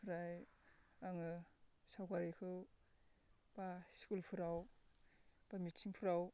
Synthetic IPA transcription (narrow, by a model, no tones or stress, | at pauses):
pʰɯɾaj | aŋɯsawkaɾikʰɯw | basi̥kulpʰɯɾaw | b̥amitsʰiŋpʰɯɾaw